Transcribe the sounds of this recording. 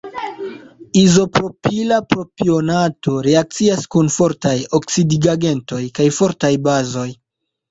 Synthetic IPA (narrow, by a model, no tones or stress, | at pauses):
izo̞pɾo̞pilapɾo̞pio̞nato̞ɾeak̚t͡siaskunfo̞ɾtajo̞ksidiɡaɡe̞nto̞jkajfo̞ɾtajbazo̞j